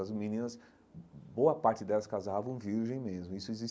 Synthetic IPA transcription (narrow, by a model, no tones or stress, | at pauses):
ɐzmĩnĩnɐs | bowɐpaɾt͡ʃɪd̪ɛlɐskazavɐ̃w̃viɾʒẽj̃mezmʊisʊezis